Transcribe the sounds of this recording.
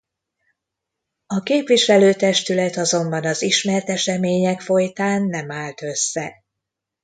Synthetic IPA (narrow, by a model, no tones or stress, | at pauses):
ɒkeːpʋiʃɛløːt̪ɛʃt̪ylɛt̪ɒzo̞mbɒnɒziʃmɛrt̪ɛʃɛmeːɲɛkfo̞jt̪aːnːɛmaːlt̪ø̞sːɛ